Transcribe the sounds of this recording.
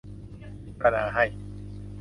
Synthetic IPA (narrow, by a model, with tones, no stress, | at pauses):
i˨˩pa˧naː˨˧˦ɦa˥˩j